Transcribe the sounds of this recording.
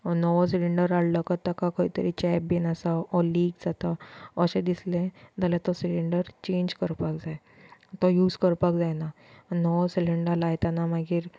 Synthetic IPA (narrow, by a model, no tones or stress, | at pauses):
nɔʋɔsiliɳɖəɾaɽləkət̪akakoit̪əɾit͡ɕɛp̚binasaɔliːɡd͡zat̪aəɕed̪islẽd͡z̪aljat̪ɔsiliɳɖəɾt͡ɕẽɲd͡ʑkəɾpakd͡zae | t̪ɔjuːd͡zkəɾpakd͡zajnanɔʋɔsiliɳɖalajt̪anamaɡiːɾ